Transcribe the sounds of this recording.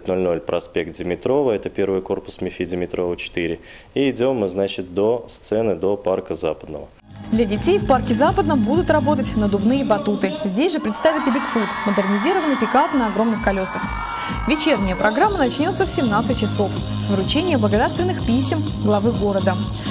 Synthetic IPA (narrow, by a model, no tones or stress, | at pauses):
tʲnolʲno̞lʲpɾɐspʲek̚t̪̚dʲɪmʲɪt̪ɾo̞vəɛt̪əpʲe̞rvɨjko̞rpʊ̥smʲɪfʲidʲɪmʲɪt̪ɾo̞vət͡ɕɪ̥t̪iɾʲɪ | iɪdʲo̞mːɨznat͡ɕɪt̪̚d̪ost̪sɛnɨd̪oparkəza̰pəd̪̚nə̰və | d̪lʲɐdʲɪtʲejfparkʲɪzapəd̪nəmbud̪ʊt̪rɐbo̞t̪ətʲnəd̪ʊvnɨjəbɐt̪ut̪ɨzʲdʲesʲʐɨpɾʲɪt̪st̪avʲɪt̪ɪbʲɪkfut̪məd̪ɨrnʲɪzʲiɾəvənɨpʲɪkat̪ɨnəɐɡɾo̞mnɨxkɐlʲosəx | vʲɪt͡ɕe̞rnʲɪjəpɾʔɐɡɾamːənɐt͡ɕnʲo̞t̪səfsʲɪmnat̪sɨtʲt͡ɕːɪso̞f | svəɾʊt͡ɕenʲɪjəmbləɡɐd̪arst̪vɪnːɨxpʲisʲɪm | ɡlˠɐvɨɡo̞ɾəd̪ə